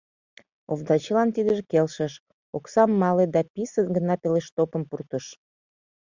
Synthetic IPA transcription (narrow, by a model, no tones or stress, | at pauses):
ovd̪ɑt͡ɕəlɑnt̪id̪əʒekelʃəʃ | oksɑmːɑled̪ɑpisənɡənɑpeleʃt̪opəmpurt̪əʃ